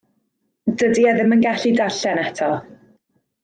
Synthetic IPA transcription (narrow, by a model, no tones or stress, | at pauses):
dədiɛðɪmənɡaɬidaɬɛnɛtʰɔ